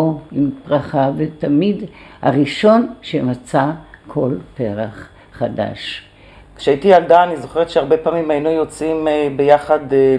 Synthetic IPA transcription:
oimpʁaχavet̪amidha̰ʁiʃo̞nʃemat͡sakʰo̞lpeʁaχː | ada̰ʃ | kʃeaitialdaːnizo̞χeʁetʃeaʁbepaːmimajnujot͡simbejaχad̪

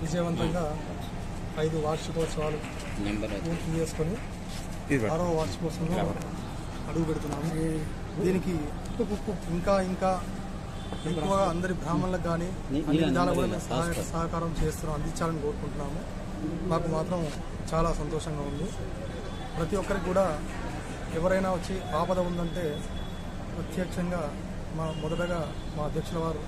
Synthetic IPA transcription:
ʋid͡ʒɐjɐʋɐnt̪ɐŋɡaː | ɐjd̪uʋaːʃɐkoːt͡ʃːɐʋaːlu | puːt̪it͡ʃe̞ːsu̥koni | aːɾoːʋaːt͡ʃːi̥poːsuno | ɐɽuɡupeɽut̪̬unːaːmuneː | d̪iːniki | pːukukːuiŋkaːiŋkaː | ekuʋaɐnd̪ɐɾibʱɾaːmɐnlɐɡaːniː | ɐnːiʋid̪ʱaːlɐkuɽaːnesɐɦajɐsɐːɦɐkaːɾɐmt͡ʃe̞ːst̪uːnɐɐnd̪iɲt͡ʃːaːlɐnikoːɾukuɳʈunːaːmu | naːkumaːt̪ɾɐm | t͡ʃaːlaːsɐnt̪ɔːʂɐŋɡaːund̪i | pɾɐt̪iɔkːɐɾikuːɽaː | ɛʋɐɾɐjnaːʋɐt͡ʃːipaːpɐd̪ɐund̪ɐɳʈe̞ː | pɾɐt̪jɐkʂɐŋɡaː | maːmɔd̪ɐʈɐɡaː | maːɐd̪ʱjɐkʂuɽɐʋaːɾu

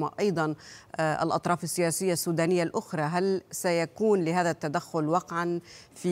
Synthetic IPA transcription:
ma̰ʔɑjd̪ˤɑnʔɪ̰lʔɑ̰t̪ˤɾˤɑːfɪsːɪjaːsɪjːasːuːd̪aːnɪjːalʔʊxɾˤɑːɦalsajakuːnlɪɦaːðat̪ːad̪axːʊlwɑqʕanfiː

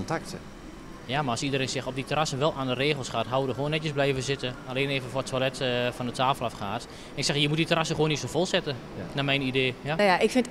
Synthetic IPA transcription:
ntak̚tə | jamaɔsidəɾeːnsɪxɔp̚ditərasənʋɛlˠʔaːndəreːxəlˠsxaːtɦawədəxwoːnːɛtjəsblɛjvəzɪtəaleːneːvənfortʰwalɛtfɔndətʰaːfəlˠafxaːt | ɛnɪksɛxjəmut̚ditərasəxʋoːnitsofolˠsɛtə | namɛjnideːjajaɪkfɪnt

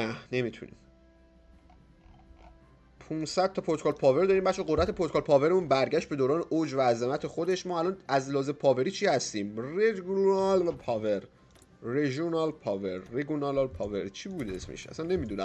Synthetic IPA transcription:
næne̞mit̪ʰṵnḭːm | pʰũnsæd̪̚t̪ʰɒpʰoɾt̪okʰolpʰɒːve̞ɾd̪ɒːɾiːmbæʃeɡod̪ɾæt̪ʰe̞pʰoɾt̪kʰɑlpʰɒːve̞ɾemuːnbæɾɟæʃt̪be̞d̪oːɾɒːneʔod͡ʒvæːzemæt̪ʰe̞xod̪e̞ʃmɒːælɒːnæzlɒːzepʰɒːve̞ɾiːt͡ʃʰiːhæst̪iːmreɡnɑlpʰɒveɾː | eʒonɒlpʰɒvḛɾːeɡunɑllpʰɒːvḛɾt͡ʃʰiːbuːd̪eesmḛʃæ̰sænːe̞miːd̪uːnæ̰m

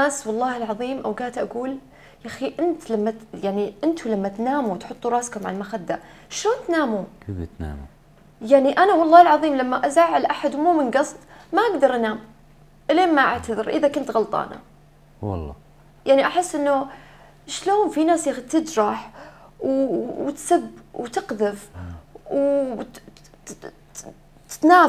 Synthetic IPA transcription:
aːswɑlˤːɑːhɪlʕɑðˤiːmʔawɡaːt̪ʔaɡuːl | jaxiʔɪnt̪lamːajaʕniʔɪnt̪ʰulamːat̪naːmut̪ħʊt̪ˤːuɾˤɑːskʊmʕa̰lmaxad̪ːa | ʃloːnt̪naːmut̪na̰ːmu | jaʕniʔanawɑlˤːɑːhɪlʕɑðˤiːmlamːaʔazaːʕɪlʔaħad̪muːmɪnɡɑsˤd̪ˤmaʔaɡd̪ɑɾˤʔanaːm | ʔleːnmaʔa̰ʕt̪aðɪɾʔɪðakʊnt̪ɣɑlt̪ˤɑ̰ːna̰ | wɑ̰lˤːɑ̰ː | jaʕniʔaħɪsːʔɪnːʊ | ʃloːnfinaːsjax̚t̪ɪd͡ʒɾˤɑħwwt̪sabwt̪ɪqðɪfw | t̪naː

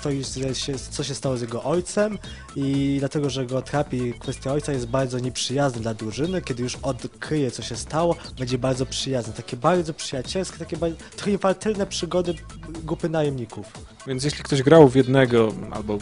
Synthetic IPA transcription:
t̪ɔjuʂɛɕɛst̪sɔɕɛst̪awɔzjɛɡɔʔɔjt̪sɛm | id̪lat̪ɛɡɔʐɛɡɔːt̪ɾapʲikfɛst̪ʲjaɔjt̪sajɛst̪̚baɾd̪zɔɲɛpʂɘjaznɛd̪lad̪ɾuʐɘnɘkʲɛd̪ɘjuʂɔt̪kɾɘjɛt̪sɔɕɛst̪awɔbɛɲd͡ʑɛbaɾd̪zɔpʂɘjaznɛt̪akʲɛbaɾd̪zɔpʂɘjat͡ɕɛlskʲɛt̪akʲɛbat̪kɛfalt̪ɛlnɛpʂɘɡɔd̪ɘ | ɡɾupɘnajɛmɲikuf | vʲjɛnt̪sjeɕlʲik̚t̪ɔʑɡɾawvʲjɛd̪nɛɡɔʔa̰lbɔ

